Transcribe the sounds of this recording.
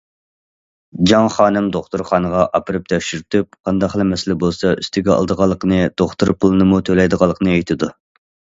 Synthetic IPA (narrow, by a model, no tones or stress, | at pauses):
d͡ʒɑŋχɑːnɨmd̪oχt̪uɾχɑːnəʁɑʔɑpɨɾɨp̚d̪ʰɛkʃyɾyt̪ʰyp̚qʰɑnd̪ɑqhlˠɛmɛsɪlɛbolˠsɑʔyst̪ʰɪɡʲɛɑ̰lˠd̪əʁɑlˠːəqənɨd̪̥oχt̪uɾpʰʊlˠɨnɨmut̪ʰølɛjd̪əʁɑlˠːəqʰənɨejt̪ʰɪd̪u